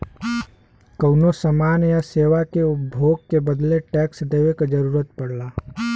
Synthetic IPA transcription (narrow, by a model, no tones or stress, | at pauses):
kəʊnosəmaːnjaseːʋakeʊpbʱoːɡ̚kebəd̪leʈɛːksd̪eːʋekad͡ʒəɾuːɾət̪pəɽlaː